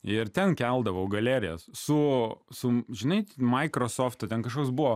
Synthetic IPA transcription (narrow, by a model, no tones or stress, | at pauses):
ɪɾt̪ʲɛnkʲɛlˠd̪ɐʋɐʊɡɐlʲæːɾʲɪjɛssʊsʊʒʲɪnɐɪtmɐɪkɾosoːft̪ɐt̪ʲɛnkɐʃkoːksbʊʋoː